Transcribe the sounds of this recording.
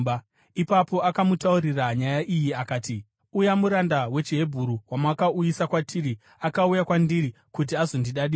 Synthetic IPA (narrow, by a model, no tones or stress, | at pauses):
ipapo̞akamutauriraɲajaʔijiakaːti | ujamuɾandawe̞t͡ʃiɦe̞bʱuɾuwamakaujisakwatʰiri | akaujakwandiɾi | kut̬iazo̞ndiɗaɗi